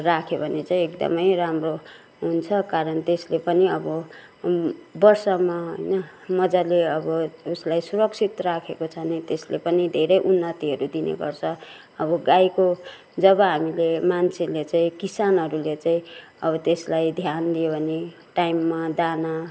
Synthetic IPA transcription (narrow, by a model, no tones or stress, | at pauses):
rakʰebʱʌnet͡saĩekd̪ʌ̰mʌjɾamro | ɦunt͡sʰʌkaɾʌnt̪eslepʌniʌbʌ | bʌrsʌmaɦo̰jnʌ | mʌd͡zaleʌbʌuslajsuɾʌk̚sʰit̪rakʰekot͡sʰʌnet̪eslepʌnid̪ʱeɾʌjʔunːʌt̪iɦʌɾud̪inḛkʌ̰rt͡sʰʌ | ʌbʌɡajko | d͡zʌbʌɦamilemant͡sʰelet͡saĩkisanɦʌɾulet͡saĩʌbʌt̪eslajd̪ʱjanliobʱʌne | ʈajmːad̪ana